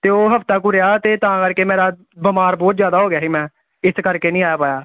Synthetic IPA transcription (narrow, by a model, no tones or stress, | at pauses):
t̪eːoːɦəft̪aːk̬ʊɾejaːt̪eːt̪ãːkəɾkeːmeːɾaː | bəmaːɾbɔːt̪zjaːd̪aːɦoːɡɪjaːɦiːmɛ̃ː | ɪskəɾkeːnĩːaːjaːpaːjaː